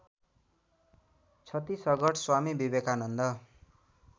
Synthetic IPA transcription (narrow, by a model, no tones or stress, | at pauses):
t͡sʰʌt̪isʌɡʌʈʰswamibibekanʌnd̪ʌ